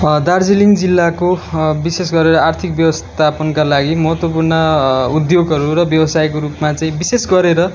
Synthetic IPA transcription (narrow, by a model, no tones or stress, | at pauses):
d̪ard͡ziliŋd͡zilːakobises̬ɡʌɾeɾʌart̪ʰikbjʌwʌst̪ʰapʌnkalaɡimʌɦʌt̪wʌp̬urnʌud̪joɡɦʌɾuɾʌbjʌbʌsajkoɾupmat͡saĩbisesɡʌɾeɾʌ